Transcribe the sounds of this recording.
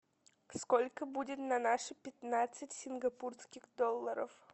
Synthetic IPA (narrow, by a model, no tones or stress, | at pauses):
skolʲkəbudʲɪt̪nɐnaʂɨpʲɪt̪nat̪sɨtʲsʲɪnɡɐpurskʲɪxd̪olˠːəɾə̰f